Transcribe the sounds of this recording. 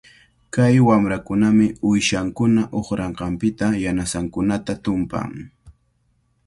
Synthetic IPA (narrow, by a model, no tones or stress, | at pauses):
kajwamɾakʊnamɪʊjʃaŋkʊnaʔoχɾɑɴqɑmpɪt̪ajanasaŋkʊnat̪at̪ʊmpa̰ŋ